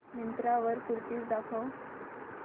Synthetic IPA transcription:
mint̪ɾaʋəɾkuɾt̪iːsd̪akʰɔ

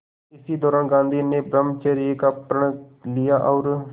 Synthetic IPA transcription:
ɪsiːd̪ɔːɾaːnɡãːnd̪iːneːbɾəmt͡ʃeːɾiːkaːpəɳlɪjaːʔɔːɾ

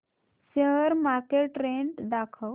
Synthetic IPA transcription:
səɦəɾmaɾkeʈɾeɳʈd̪akʰəw

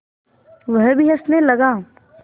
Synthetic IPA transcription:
ʋɐɦbʱiɐsnelɐɡaː

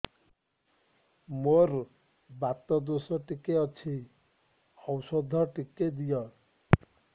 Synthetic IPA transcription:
moɾ | bat̪ɔd̪osɔʈikeɔt͡ʃʰi | ɔwsɔd̪ʱɔʈiked̪ijɔ

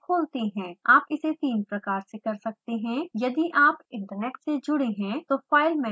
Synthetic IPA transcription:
kʰoːlt̪eɦɛ̃ːaːpɪset̪iːnpɾɐkaːɾsekɐɾsɐk̚t̪eɦɛ̃jɐd̪iʔaːpɪ̃ɳʈəɾnɛːʈsed͡ʒʊɽeɦɛ̃t̪ofaːɪlmɛ̃

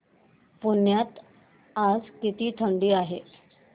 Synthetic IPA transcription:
punjat̪ | ad͡zkit̪iːt̪ʰəɳɖiːaɦḛ

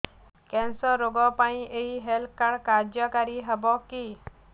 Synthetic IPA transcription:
kɛ̃nsɔɾːoɡɔpaĩʔeɦiɦelʰkaɽkaɾd͡ʒjɔkaɾiɦəbɔki

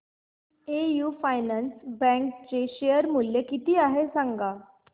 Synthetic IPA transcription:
ejuːfajnansbɛ̃k̚t͡ɕeɕejəɾmuljekit̪iːaɦesaŋɡa

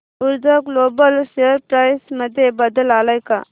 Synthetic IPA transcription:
ʊɾd͡ʒ̪əɡloːbəlseɾpɾaːɪsməd̪ʱjebəd̪əlaːlajka̰

